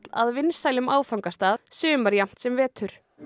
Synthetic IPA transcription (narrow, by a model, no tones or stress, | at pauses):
la̰ðvɪnsaːjlʏmaːwfawŋkast̪aːðsʏːʏmaɾjam̥t̪sɛmvɛːt̪ʏɾ̥